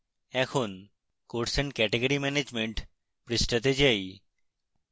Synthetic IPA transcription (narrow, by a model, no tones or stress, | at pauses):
ɛkʰon | koʈsenkɛʈeɡoɾimɛned͡ʑmeɳʈ | pɾisʈat̪̬ed͡ʑaj